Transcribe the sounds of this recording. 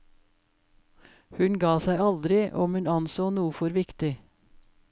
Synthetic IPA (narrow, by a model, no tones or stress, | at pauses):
hʉnɡɑːsæɪɑld̪ɾɪʔɔmhʉnɑnsoːnuːfɔɾʋɪkt̪ɪ